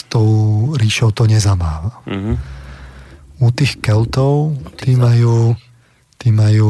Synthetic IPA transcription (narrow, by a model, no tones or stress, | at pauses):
st̪ɔʊɾiːʃɔʊt̪ɔɲɛzamaːʋa | ut̪iːxkɛlt̪ɔʊt̪iːmajuː | t̪iːmajuː